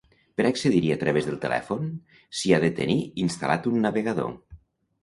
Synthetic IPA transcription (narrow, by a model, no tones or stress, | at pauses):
pəɾakseðiɾiat̪ɾəβezðəlˠt̪əlɛ̰fon | siaðət̪ə̰niinst̪alat̪unːaβeɣaðo̰